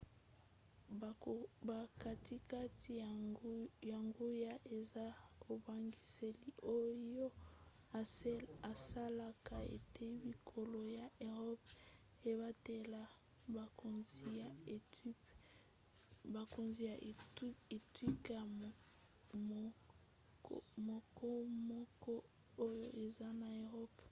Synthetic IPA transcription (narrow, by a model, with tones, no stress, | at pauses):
ba˨ka˨tʰi˦ka˦ti˨ | ja˨ŋɡo˦ja˦ʔe˨za˦ko˨ba˨ŋɡi˨se˨li˦o˦jo˦˨˦ | a˨sa˦la˨ka˨ḛ˨te˦bi˨kʰo˨lo˨ja˨ʔe˨ʁɔ˦p | e˨βa˦te˨la˨ | ba˨ko˨nzi˨a˨˦ | ba˨ko˨nzi˨ja˨˦ | e˨twi˦ka˨ | mɔ˨kʰɔ˦mɔ˦kɔ˦ | o˦jo˦ʔe˨za˦na˨e˨ʁɔ˦p